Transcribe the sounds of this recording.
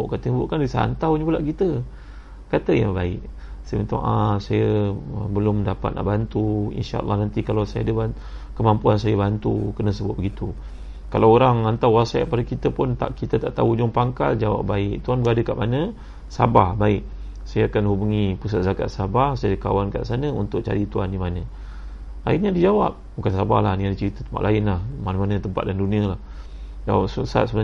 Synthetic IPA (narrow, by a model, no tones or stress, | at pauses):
ʔkat̪əjbuʔkandisa̰nt̪awɲəbulaʔkit̪ə | kat̪əja̰ŋbaɪ̰ʔ | samint̪ɔ̰ŋʔasajəəbəlʊmdapa̰t̪̚na̰ʔbant̪uḭnʃa̰ʔə̰lːɑhnant̪ikalawsajaadəba | kəmampuansajəbant̪ukənəsəbʊt̪̚bəɡit̪u | kalawoɾaŋant̪awwasaa̰ʔ̚padəkit̪əpʊnt̪a̰ʔkit̪ət̪aʔt̪aud͡ʒʊŋpaŋka̰ld͡ʒawa̰p̚baɪʔ̚t̪uanbəadəkaʔmanə | sa̰bahbaɪʔ | sajaakanhubuŋipus̬at̪̚zaka̰t̪sabahsajadəka̰wanka̰ʔsanəṵnt̪ʊk̚t͡ʃa̰ɾit̪uandimanə̃ | a̰iɲadid͡ʒawap̚bukansaba̰hlaniadit͡ʃəɾit̪ət̪əmpa̰ʔlʔaɪnlahmanəmanət̪əmpa̰t̪̚danduniəlah | d͡ʒawasusa̰t̪̚səbən